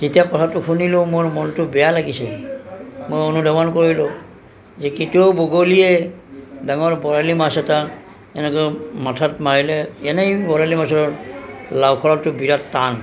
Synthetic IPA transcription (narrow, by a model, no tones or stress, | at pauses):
zitijakɔtʰatʊkʰunilʊ̃mʊɹmɔntʊbɛjalaɡisɛ | mojonudamankoɹilʊ | zɛkitioboɡoliɛ | daŋɔɹbɔɹalimasɛta | ɛnɛkɔmatʰatmaɹilɛɛnɛjbɔɹalimasɔɹɔlawkʰɔɹɔtːʊbiɹatːan